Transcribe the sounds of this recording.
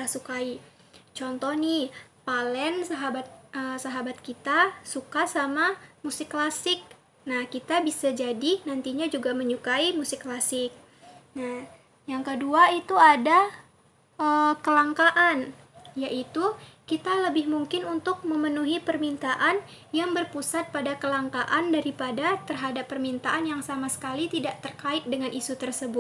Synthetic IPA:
asukai | t͡ʃɔnt̪ɔhnɪpalɛnsaɦabat̪̚əsaɦabat̪̚kit̪asukasamamusɪkːlasɪk̚ | nahkit̪abisad͡ʒadinant̪iɲad͡ʒuɡaməɲukaimusɪkːlasɪk̚ | nah | jaŋkəduait̪uada | ʔəkəlaŋkaʔan | jaʔit̪ukit̪aləbɪhmuŋkɪnunt̪ʊk̚məmənuɦipərmint̪aʔan | jaŋbərpusat̪̚padakəlaŋkaʔandaɾipadat̪ərɦadapːərmint̪aʔanjaŋsamasə̥kalit̪idaʔt̪ərkaɪt̪̚dəŋanʔisut̪ərsəbʊt̪̚

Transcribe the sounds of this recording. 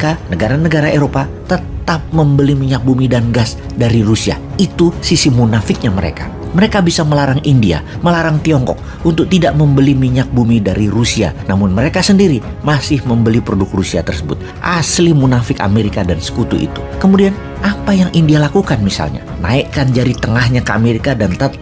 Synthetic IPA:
kanəɡaɾanəɡaɾaeɾopat̪ət̪ap̚məmbəlimiɲak̚bumidanɡas | daɾirusia̰ | it̪usisimunafɪk̚ɲaməɾḛka̰ | məɾekabisaməlaɾaŋindia̰məlaɾaŋt̪iɔŋkɔ̰k̚ | ʔunt̪ʊk̚t̪idaʔməmbəlimiɲak̚bumidaɾirusia̰namʊnməɾekasəndiɾi | masɪhməmbəlipɾodʊk̚rusiat̪ərsəbʊ̰t̪̚ | ʔaslimunafɪka̰meɾikadansə̥kut̪ṵḭt̪ukəmudian | ʔapajaŋʔindialakukanmisa̰lɲa̰na̰iʔkand͡ʒaɾit̪əŋahɲakəameɾikadant̪ət̪̚

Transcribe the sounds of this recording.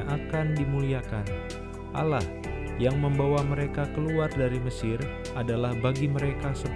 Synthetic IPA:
ʔakandimuliakan | ʔalah | jaŋməmbawaməɾekakəluardaɾiməsɪr | adalahbaɡiməɾekasət̪

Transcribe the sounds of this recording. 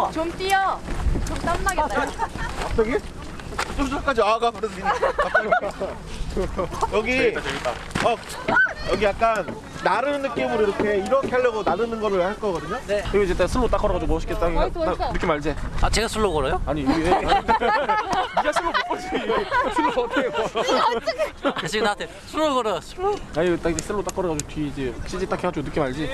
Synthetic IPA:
t͡ɕomt͈iʌt͡ɕomt͈amaɡe | t͈ʌɡe | t͈uɾus̬ʰak͈ad͡ʑiaɡabʌɾɯniɲa | jʌɡia | ʌ | jʌɡijak͈̚anː | aɾɯnːɯk͈imɯɾiɾʌkʰe̞iɾʌnkʰaɭːʌɡonaɾɯnɯnɡʌɾɯɭhaɭk͈ʌɡʌdɯɲoniɡd͡ʑet͈asʰɯɭːot͈ak͈ʰʌɾaɣad͡ʑomoɕʰi̥kʰet͈aɡinɯk͈imaɭd͡ʑeat͡ɕeɡasʰuɭːoɡʌɾʌjoaɲiɡiea | niɡasʰɯɭːopok͈ʌseosʰɯɭːotʰek | t͡ɕinatʰe | sʰuɭːoɡʌɾʌsʰaɲiɯt͈aɡid͡ʑesʰɯɭːot͈ak͈ʰʌɾʌɣad͡ʑotʰɥiːd͡ʑeɕ͈ʰid͡ʑit͈akʰeɦad͡ʑonɯk͈ʰimaɭd͡ʑi

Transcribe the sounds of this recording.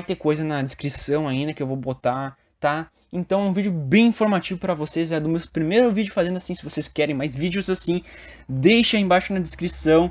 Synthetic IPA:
ajt̪ekojzɐnɐd͡ʒɪskɾisɐ̃w̃aĩnd̪ɐkɪewvowbot̪a | t̪a | ẽnt̪ɐ̃w̃ɛũvid͡ʒʊbẽj̃ĩfoɾmat͡ʃivʊpɾɐvosezɛd̪ʊmewpɾimejɾʊvid͡ʒʊfazẽnd̪asĩsɪvosejskɛɾẽj̃majzvid͡ʒʊzasĩd̪ejʃɐẽbaʃʊnɐd͡ʒ̪ɪskɾisɐ̃w̃

